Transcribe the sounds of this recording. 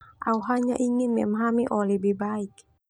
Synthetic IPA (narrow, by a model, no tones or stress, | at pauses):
ʔa̰wɦaɲaʔiŋinmɛmɦamiʔɔlebibaik